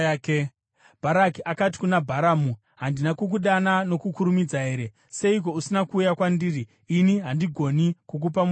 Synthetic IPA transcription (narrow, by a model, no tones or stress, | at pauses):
ke | bʱaɾakiʔakat̬i̥kunabʱaɾaːmu | ɦandinakuk̬uɗanano̞kukuɾumid͡zaɦe̞ːɾe̞ | se̞ik̬o̞usinakuːjakwandiːriː | niɦandiɡʱo̞nikuk̬up̬am